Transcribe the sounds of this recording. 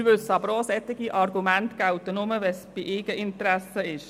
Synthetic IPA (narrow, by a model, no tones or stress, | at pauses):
ʋʏsɑbɾɔːsɛt̪ɪɡiʔɑrɡumæntɡ̥awt̪ənʊməʋɛsb̥ɪʔɪːɡ̥əʔɪnt̪ɾæsəɪʃ